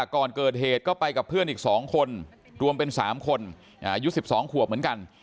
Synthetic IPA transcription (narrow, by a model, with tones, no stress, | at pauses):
a˧˩kːɔː˨˩nkɤː˨˩t̪̚ɦeː˨˩t̪̚kɔː˥˩pa˧jka˨˩pʰːɯ˥˩ənʔiː˨˩k̚sɔː˩˦ŋkʰo˧n | ɾu˧əmpe˧nsa̰ː˩˦mkʰo˧n | ʔa˧ju˦˥si˨˩p̚sɔː˩˦ŋkʰu˨˩ək̚mɯ˩˦ənka˧n